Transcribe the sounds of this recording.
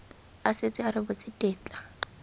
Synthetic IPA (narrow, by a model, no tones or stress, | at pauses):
asɪt͡sʼɪaɾɪbʊt͡sʼɪtʼeːt͡ɬʼḁ